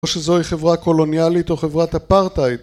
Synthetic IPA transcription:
ʃezo̞iχe̞vʁako̞lo̞njalit̪o̞χe̞vʁat̪hapaʁtait

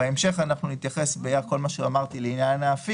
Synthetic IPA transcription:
eemʃe̞χanaχnunit̪jaχe̞sbejako̞lmaʃeamaʁt̪ileinjanaːfi

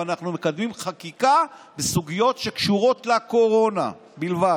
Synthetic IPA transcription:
anaχnumekad̪mimχakikabesuɡijo̞tʃe̞kʃuʁo̞tlako̞ʁo̞na̰ | bilva

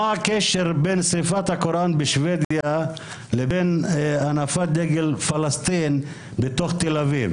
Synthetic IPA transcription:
aakeʃeʁbensʁifat̪hakoɾʔanbeʃved̪ja | lebenanafad̪eɡelfalast̪in | bet̪o̞χt̪elaviv

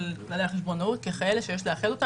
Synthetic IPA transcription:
lklaleaχeʃbo̞naut̪̚keχaeleʃejeʃleaχelo̞ta

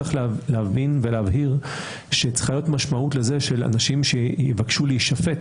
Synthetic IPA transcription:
aχlleavinveleavɦiʁ | ʃet͡sχlajo̞tmaʃmautlezeʃela̰naʃimʃejivakʃuliiʃafet

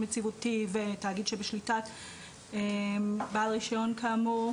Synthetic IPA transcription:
met͡sivutivetaaɡid̪ʃebeʃlitat | ebalʁiʃaonkamu

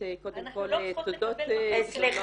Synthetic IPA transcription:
kod̪emkolt̪od̪ot̪t͡sliχ

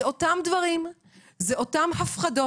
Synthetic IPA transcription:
o̞tamdvaʁim | zeʔo̞tamhafχado

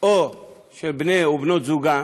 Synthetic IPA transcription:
o | ʃebineobnod͡zuɡa

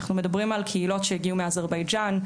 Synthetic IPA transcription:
χnumɛdabʁimalkʰəilɔtʃəɡiumeazaʁbaɪd͡ʒan

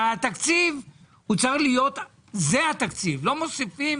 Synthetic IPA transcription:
at̪akt͡siv | hut͡saχlijo̞t̪ | zehat̪akt͡sivlo̞mo̞sifim

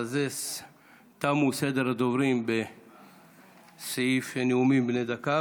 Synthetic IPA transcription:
azes | t̪amused̪eɾad̪ovɾimbe | seifeneumimbnejd̪aka

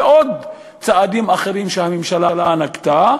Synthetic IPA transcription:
ʔod̪ | t͡saad̪imaχeʁimʃehamemʃalalanakt̪a

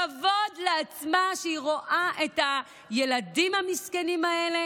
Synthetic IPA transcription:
avo̞dleat͡smaʃeiʁo̞ʔaʔe̞ta | je̞ladimhamiskenimae̞le̞

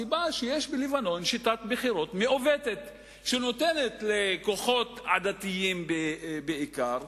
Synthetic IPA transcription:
ibaʃejeʃbelivano̞nʃit̪at̪beχiɾo̞t̪meʔovet̪et̪ | ʃeno̞t̪enet̪leko̞χo̞t̪a̰d̪at̪ijimbebeikaʁ

